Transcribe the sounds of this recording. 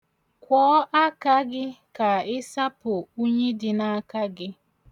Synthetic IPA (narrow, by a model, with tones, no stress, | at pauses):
kʷɔː˦ʔa˦ka˦ɡɪ˦ka˨ɪ˦sa˦pʊ˨u˦ɲe˦dɪ˨na˦ka˦ɡɪ˦